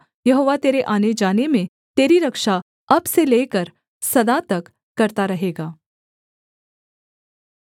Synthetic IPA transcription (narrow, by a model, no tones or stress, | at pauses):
jɐɦoːʋat̪eːɾeʔaːned͡ʒaːnemẽ | t̪eːɾiɾɐkʃa | ɐbseleːkəɾ | sɐd̪at̪ɐkː | ɐɾt̪aɾɐɦeːɡaː